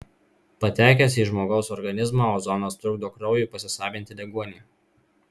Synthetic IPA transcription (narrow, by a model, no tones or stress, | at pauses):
pɐt̪ʲæˑːkʲɛsʲiːʒmoːɡɒʊsɔɾɡɐnʲɪzmɑːoːzɔnoːst̪ɾʊɡd̪oːkɾɒʊjuːˑpɐsʲɪsɑːʋʲɪnʲt̪ʲɪd̪ʲɛɡuɔnʲiː